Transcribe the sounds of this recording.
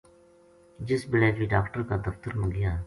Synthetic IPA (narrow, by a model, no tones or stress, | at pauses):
d͡ʒɪsbɪleːd͡ʒbiːɖaːkʈəɾkaːd̪əft̪əɾmə̃ŋɡɪjaːɦ